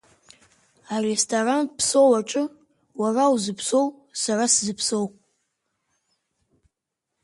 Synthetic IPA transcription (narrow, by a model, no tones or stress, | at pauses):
arestʰaranpʰsowaʈ͡ʂʼɨ | warawzɨpʰsow | saraszɨpʰsow